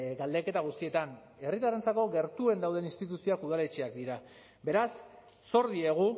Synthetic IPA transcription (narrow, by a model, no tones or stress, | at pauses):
ɡald̪eke̞t̪aɣ̞ust̪ie̞t̪an | e̞rit̪arent͡sako̞ɣe̞ɾt̪ue̞nd̪awðe̞ninst̪it̪usioakuð̞ale̞t͡ʃeakd̪iɾa | be̞ɾasː | o̞ɾðie̞ɣ̞u